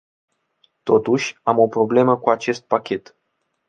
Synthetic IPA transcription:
t̪o̞t̪uʃʲamo̞pɾo̞ble̞məkuat͡ʃe̞st̪̚pakʲet̪

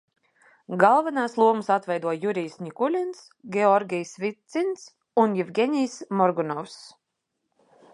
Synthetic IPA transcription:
ɡalˠvanaːslˠuɔmɨsat̪vɛjd̪uɔjuɾijsnʲikulʲins | ɡʲɛɔɾɡʲijsvʲit̪sins | unjivɡʲɛnʲijsmɔɾɡunɔws

